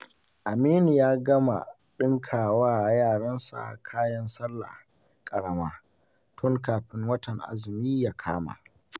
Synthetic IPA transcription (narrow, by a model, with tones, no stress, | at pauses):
ʔa˨miː˦ni˨jaː˦ɡɐ˦ma̰˨ | ɗɪ˦ŋkʰaː˨waː˦ʔa˨jaː˦˨ɽɐ˦nsa̰˨ʔkʰaː˦jɐ˦nsɐ˦lːa̰˨ | kʼɐ˨ɽɐ˦maː˦ | tʰʊ˦ŋkaː˨ɸɪ˦ŋwɐ˦tɐ˨ŋʔa̰˦zɪ˨miː˦jaː˦kʰa̰ː˦ma̰˨ʔ